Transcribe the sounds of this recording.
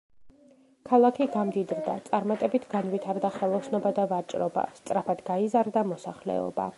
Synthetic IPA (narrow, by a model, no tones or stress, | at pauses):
kʰalˠakʰiɡamd̪id̪ɾd̪a̰t̪sʼaɾmat̪ʼɛbit̪ʰɡanvit̪ʰaɾd̪aχɛlˠɔsnɔbad̪avat͡ʃʼɾɔba̰st̪sʼɾapʰad̪ɡaizaɾd̪amɔsaχlɛ̰ɔ̰ba̰